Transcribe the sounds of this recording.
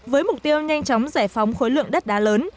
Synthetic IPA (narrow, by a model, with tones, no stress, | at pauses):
vəː˨˦jmʊ˨˩k͡p̚t̪i˧əwɲa˧jŋ̟t͡ɕɔ˨˦wŋ͡mzaː˧˩jfa˨˦wŋ͡mxo˨˦jlɨ̰˧˨əŋɗə˦˥t̚ɗaː˨˦ləː˨˦n